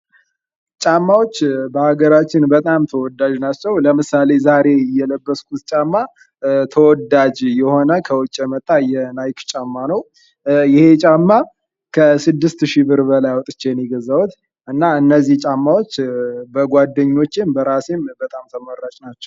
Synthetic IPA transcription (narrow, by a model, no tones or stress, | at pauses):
t͡ʃʼamːawot͡ʃːbəhaɡəɾat͡ʃːɪnbət̪ʼamt̪ʰəwɔd̪ːad͡ʒnat͡ʃːɛwləmɨsale̞zaɾe̞ɪjːɛləbːəskʰut̪t͡ʃʼamːa | t̪ʰəwɔd̪ad͡ʒjɛho̞nəkʰəwɔt͡ʃʼːɛmət̪ʼːajɛnajkt͡ʃʼamːanəw | jɪhe̞t͡ʃʼamːa | kʰəsɨd̪ːɨst̪ʃibɨɾbəlajwɔt̪ʼɨt͡ʃːejniɡəzawut̪ | ʔɨnːaɨnːəzːiht͡ʃʼamːawot͡ʃːbəɡʷad̪ːəɲːo̞t͡ʃːɪmbəɾasembət̪ʼamt̪ʰəməɾːat͡ʃʼnat͡ʃːɛw